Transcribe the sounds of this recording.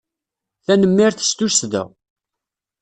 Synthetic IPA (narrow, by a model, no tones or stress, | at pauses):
θænəmːɪɾθə̥st̪usðə̰